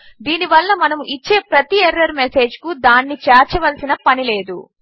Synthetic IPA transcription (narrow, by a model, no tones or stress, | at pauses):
d̪iːniʋɐlːɐmɐnɐmuʔit͡ʃːe̞ːpɾɐt̪ieɾːɐɾmese̞ːd͡ʒkud̪aːnːit͡ʃɛːɾt͡ʃɐʋɐlsinɐpɐnile̞ːd̪ṵ